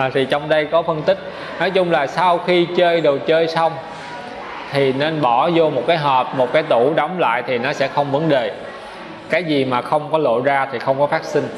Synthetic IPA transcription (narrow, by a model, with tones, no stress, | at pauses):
t̪ʰi˨˩t͡ɕɔ˧wŋ͡mɗə˧jkɔ˨˦fə˧nt̪ï˦˥k̟̚ | nɔ˨˦jt͡ɕʊ˧ŋ͡mlaː˨˩sa˧wxi˧t͡ɕəː˧jɗe˨˩wt͡ɕəː˧jsa˧wŋ͡m | t̪ʰi˨˩ne˧nɓɔ˧˩zo˧mo˨˩t̚kaː˨˦jɦɔː˨˩p̚mo˨˩t̚kaː˨˦jt̪u˧˩ɗɔ˨˦wŋ͡mla̰ː˧˨jt̪ʰi˨˩nɔ˨˦sɛ̰˧˥xə˧wŋ͡mvə˨˦nɗe˨˩ | kaː˨˦jzi˨˩maː˨˩xə˧wŋ͡mkɔ˨˦lo̰˧˨zaː˧t̪ʰi˨˩xə˧wŋ͡mkɔ˨˦faː˦˥k̚si˧ŋ̟